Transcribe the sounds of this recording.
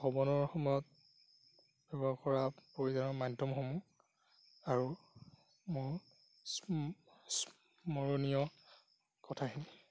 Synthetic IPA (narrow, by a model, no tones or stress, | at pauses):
xɔbɔnɔɹxɔmɔjɔt̚ | b̥ɛbɔkɔɹapoɹizanɔmadʱɔmxɔmu | aɹu | mʊɹ | s | s | mɔɹɔnijɔ | kɔtʰaɦil